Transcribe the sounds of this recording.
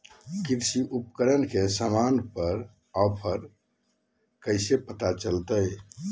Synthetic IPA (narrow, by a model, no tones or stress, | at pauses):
kiɾsiʔupkəɾənkesəmanpəɾ | ɔpʰəɾ | kəɪsepət̪at͡ʃəlt̪əj